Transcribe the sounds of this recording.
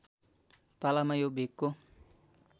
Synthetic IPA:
palamajobeko

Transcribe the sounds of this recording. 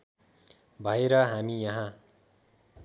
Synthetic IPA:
bʱʌeɾʌɦamijʌɦã

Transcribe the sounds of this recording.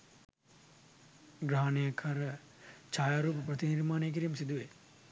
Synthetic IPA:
ɡɾaɦanejakʰɐɾə | t͡ʃaːjaːɾuːp̬əprɐt̪iniɾmaːnejk̬iɾiːmsid̪uʋe

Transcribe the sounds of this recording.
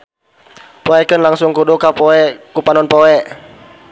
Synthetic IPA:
pɔɛkənlaŋsʊŋkudukapɔɛkupanɔnpɔɛ

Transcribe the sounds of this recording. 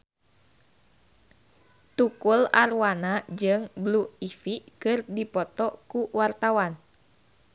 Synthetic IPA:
t̪ukularwanad͡ʒɨŋbluifikɨrdipɔt̪ɔkuwart̪awan

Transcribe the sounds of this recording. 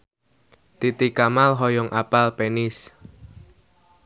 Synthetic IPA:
t̪it̪ikamalɦɔjɔŋʔapalpenɪs

